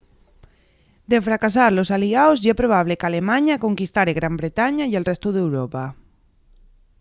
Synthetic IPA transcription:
d̪efɾakasaɾlosaliaozʝapɾoβ̞aβ̞lekalemaɲakoŋkist̪aɾeɣɾambɾet̪aɲaielrɛst̪uðewɾopa

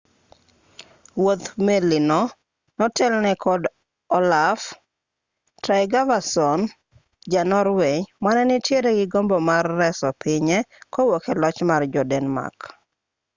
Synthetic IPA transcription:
wot̪mɛlɪnɔ | nɔtɛlnɛkʰɔd | ɔlaf | tɾajɡavasɔn | d͡ʒanɔɾwemanɛnɪtjeɾeɡɪɡombɔmarːɛsɔpɪɲɛkɔwokelɔt͡ʃmard͡ʒɔdɛnma̰k

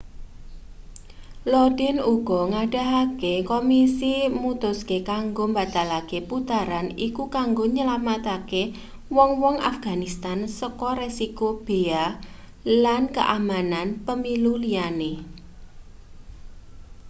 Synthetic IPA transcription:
lɔd̥ɪnuɡ̥ɔŋaɖ̥a̤ɦakekomisimut̪ʊskekaŋɡombat̪alakeput̪aɾanikukaŋɡoɲəlamat̪ake | wɔŋwɔŋa̰fɡ̥a̤nist̪ansəkɔɾesikob̥ea | lankəʔamananpəmilulijane

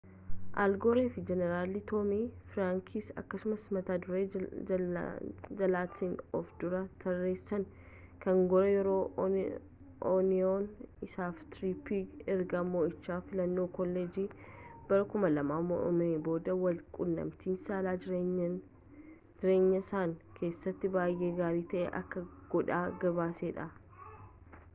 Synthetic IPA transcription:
ʔa̰lɡoːɾeːfɪd͡ʒɛnɛɾaːlit̪oːmiːfɪɾaːŋkʰiːsɐ̰kːɐsʊmɐsmɐt̪aːd̪ʊɾeː | d͡ʒɐlaːt̪ʰiːnɔfd̪̥ʊɾɐt̪ʰɐrːeːsɐn | kɐŋɡɔɾɐjɛɾo̞ː | ʔɔnɪonɪsaːft̪ɾipiːɡɛɾɡɐmːoːɪt͡ʃːaːfɪlɐnːo̞ːkɔlːeːd͡ʒiːb̥ɐɾɐkʊmɐlɐmaːmɔ̰ʔɔ̰meːbo̞ːd̪ɐwɐlkʼʊnːɐ̰mt̪iːnsaːlaː | d͡ʒɪɾe̞ːɲːɐsaːŋkʰe̞ːsːɐt̪ːɪbaːjʔe̞ːɡaːɾiːt̪ɐʔɛ̰ʔɐ̰kːɐɡ̥ɔᶑaːɡɐbaːseːᶑɐ

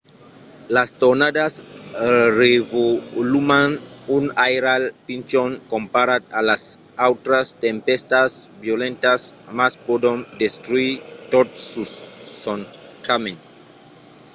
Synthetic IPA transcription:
last̪onadas | revolumanunajɾalpint͡ʃoŋkõmpaɾat̪alasawt̪ɾast̪empest̪asbjolẽnt̪asmaspod̪ond̪est̪ɾuit̪ot̪sussonkamẽn

